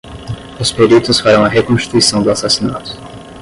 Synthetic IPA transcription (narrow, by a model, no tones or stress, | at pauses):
ʊspeɾit̪ʊsfaɾɐ̃w̃ɐɦekõsʃt͡ʃi̥t̪uisɐ̃w̃d̪ʊasasinat̪ʊ̥